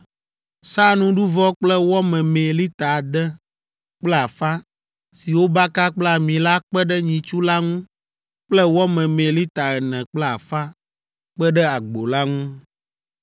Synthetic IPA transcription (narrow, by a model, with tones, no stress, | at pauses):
sa˦nũ˦ɖu˦vɔ˦k͡plɛ˦wɔ˦mɛ̃˨mẽ˨li˦t̪a˨d̪ɛ˦ | k͡plɛ˦a˨fa˦ | si˨wo˦ba˦ka˦k͡plɛ˦a˨mĩ˨la˦k͡pɛ˦ɖɛ˦ɲĩ˨t͡ʃu˦la˦ŋũ˦ | k͡plɛ˦wɔ˦mɛ̃˨mẽ˨li˦t̪a˨ɛ˨nɛ̃˨k͡plɛ˦a˨fa˦ | k͡pɛ˦ɖɛ˦a˨ɡ͡bo˨la˦ŋũ˦